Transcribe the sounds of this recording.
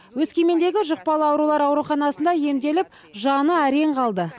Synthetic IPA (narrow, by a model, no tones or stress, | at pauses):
wɵzkʲe̞me̞nd̪e̞ɡʲɪʒəq̚pɑlˠəɑwɾulˠɑɾɑwɾuχɑnɑsənd̪ɑje̞md̪e̞lɪp̚ | ʒɑnəæɾe̞ɴqʰɑlˠd̪ə